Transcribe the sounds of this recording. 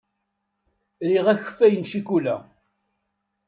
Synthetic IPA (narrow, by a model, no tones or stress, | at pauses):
ɾiʁæçəfːæjənʃikulæ̰